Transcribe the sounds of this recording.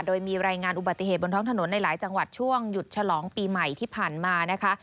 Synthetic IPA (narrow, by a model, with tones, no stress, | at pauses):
doː˧jmiː˧ɾaː˧jŋaː˧nʔu˨˩ba˨˩t̪ːi˨˩ɦeː˨˩t̪̚bo˧nt̪ʰɔː˦˥ŋt̪ʰa˧no˩˦nːa˧jlaː˩˦jt͡ɕa˧ŋwa˨˩t̪̚t͡ɕʰu˥˩əŋju˨˩t̪̚t͡ɕʰa˧lɔː˩˦ŋpiː˧ma˨˩jt̪ʰiː˥˩pʰaː˨˩nmaː˧na˦˥kʰa˦˥